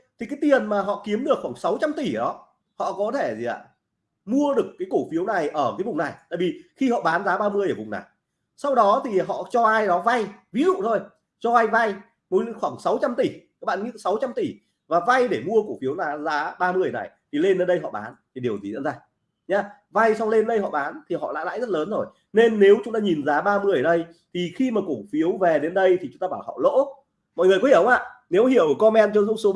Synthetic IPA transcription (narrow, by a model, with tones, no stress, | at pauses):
t̪ʰi˨˩kaː˨˦jt̪i˨˩ənmaː˨˩ɦɔ̰˧˨ki˨˦əmɗɨ˨˩əkxwaː˧˩ŋsa˨˦wt͡ɕa˧mt̪i˧˩ɗɔ˨˦ | hɔ̰˧˨kɔ˨˦t̪ʰe˧˩zi˨˩a̰ː˧˨ | mu˧əɗɨ˨˩ə˩kːaː˨˦jko˧˩fi˨˦əwna˨˩jʔəː˧˩kaː˨˦jvʊ˨˩ŋ͡mna˨˩jt̪a̰ː˧˨jvi˨˩xi˧hɔ̰˧˨ɓaː˨˦nzaː˨˦ɓaː˧mɨ˧əjʔəː˧˩vʊ˨˩ŋ͡mna̰˨˩j | sa˧wɗɔ˨˦t̪ʰi˨˩ɦɔ̰˧˨t͡ɕɔ˧ʔaː˧jɗɔ˨˦va˧jvḭ˧˥zṵ˧˨t̪ʰo˧j | t͡ɕɔ˧ʔaː˧jva˧j | mo˨˦˧xwaː˧˩ŋsa˨˦wt͡ɕa˧mt̪i˧˩aː˦k̚ɓa̰ː˧˨ɲɨ̰˧˥ŋsa˨˦wt͡ɕa˧mt̪i˧˩ | vaː˨˩va˧jɗe˧˩mu˧əku˧˩fi˨˦əwnaː˨˦zaː˨˦ɓaː˧mɨ˧əjna̰˨˩jt̪ʰi˨˩le˧nɗə˧nɗə˧jɦɔ̰˧˨ɓaː˨˦nt̪ʰi˨˩ɗəwzi˨˩zə̰˧˥nzaː˧ | ɲaː˧ | va˧jsa˧wŋ͡mle˧nɗə˧jhɔ̰˧˨ɓaː˨˦nt̪ʰi˨˩hɔ̰˧˨la̰ː˧˥la̰ː˧˨jzə˦˥t̚ləː˨˦nzo˨˩j | ne˧nːe˨˦wt͡ɕʊ˨˦ŋ͡mt̪aː˧ɲi˨˩nzaː˨˦ɓaː˧mɨ˧ə˩jɗə˧j | t̪ʰi˨˩xi˧maː˨˩ko˧˩fi˨˦ə˦wvɛ˨˩ɗe˨˦nɗə˧jt̪ʰi˨˩t͡ɕʊ˦ŋ͡mt̪a˧ɓaː˧˩˨a˨˩˨ɔ̰˧˨lo̰˧˥ | mɔ̰˧˨jŋɨ˨˩əjkɔ˨˦hʔa̰ː˧˨ne˨˦whi˧˩əwʔəː˧˩kɔ˧nmɛ˧mt͡ɕɔ˧zʊ̰˧˥ŋ͡mso˨˦